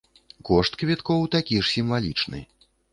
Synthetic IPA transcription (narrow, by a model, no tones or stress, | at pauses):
kɔʂt̪kvʲɛt̪kɔwt̪akʲiʂsʲimvalʲit͡ʂnɨ̰